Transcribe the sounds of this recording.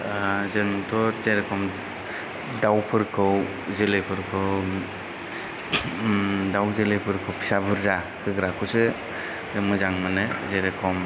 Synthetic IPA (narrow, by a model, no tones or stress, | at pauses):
zeɾmɯtʰɔzeɾekʰɔm | dawpʰɯɾkʰɯw | zelɯpʰɯɾkʰɯw | dawzelɯpʰɯɾkʰɯwpʰi̥sabɯɾza | kʰɯɡɾakʰɯsɯ | zemɯzaŋmɯnɯzeɾekʰɔm